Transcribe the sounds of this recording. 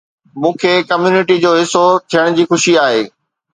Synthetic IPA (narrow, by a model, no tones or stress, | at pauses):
mũːkʰeːkɐmjuːnɪʈid͡ʑoːɦɪsot̪ʰijəɽ̃d͡ʑiːxʊʃiaːɦeː